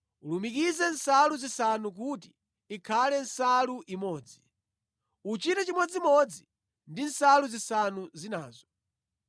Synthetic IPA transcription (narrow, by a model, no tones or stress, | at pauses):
ulumikizɛn̩saluzisanuk̬utiː | kʰalɛn̩saluʔimɔːd͡zi | ut͡ʃitɛt͡ʃimɔd͡ziimɔd͡zi | ndin̩saluzisanuzinaːzɔ